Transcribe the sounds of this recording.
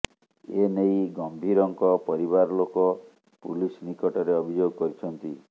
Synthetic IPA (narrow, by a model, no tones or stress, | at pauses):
enejɡɔmbʱiɾɔŋkɔpɔɾiβaɾlokɔ | pulisnikɔʈɔɾeɔbʱid͡ʒoɡɔkɔɾit͡ʃʰɔnt̪i